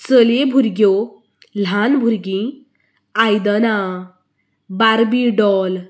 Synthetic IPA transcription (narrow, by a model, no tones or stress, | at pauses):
t͡səlebʱuɾɡjo | lanbʱuɾɡĩ | ajd̪əna | baɾbiɖɔl